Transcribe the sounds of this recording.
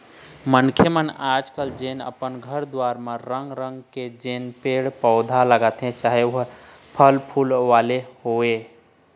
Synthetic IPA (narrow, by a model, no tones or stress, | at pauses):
mənkʰemənad͡ʒkəld͡ʒenə̰pənɡʱəɾd̪waɾmeɾəŋɡɾəŋɡked͡ʒenpeɽpəʊd̪ʱaləɡət̪ɦẽt͡ʃaɦeoɦəpʰəlpʰulʋalehoe